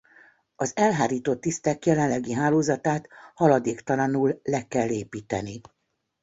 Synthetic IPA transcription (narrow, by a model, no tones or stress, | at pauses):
ɒzɛlɦaːɾiːt̪ot̪ːist̪ɛkjɛlɛnlɛɡiɦaːloːzɒt̪aːt̪hɒlɒd̪eːkt̪ɒlɒnuːlːɛkɛlːeːpiːt̪ɛni